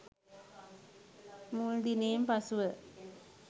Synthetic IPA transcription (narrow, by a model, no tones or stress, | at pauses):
muld̪ineːmpɐsuʋə